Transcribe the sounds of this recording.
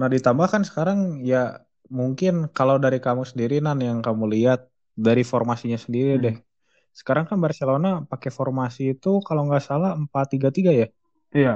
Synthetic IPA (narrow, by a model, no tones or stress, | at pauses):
nadit̪ambahkansə̥kaɾaŋja | muŋkɪnkalawdaɾikamusəndiɾinanjaŋkamuliat̪̚ | daɾifɔrmasiɲasəndiɾidɛh | sə̥kaɾaŋkanbərt͡ʃalonapakefɔrmasiːt̪ukalaŋɡaʔsalaəmpat̪ːiɡat̪iɡajah | ia